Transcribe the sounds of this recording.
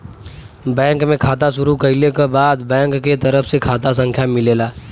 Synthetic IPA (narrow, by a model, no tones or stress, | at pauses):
bɛ̃ːŋkmẽkʰaːt̪aʃʊɾukɐlekabaːd̪bɛ̃ːŋkːet̪ɐɾəfʰsekʰaːt̪as̬ə̃ŋkʰjamɪleːlaː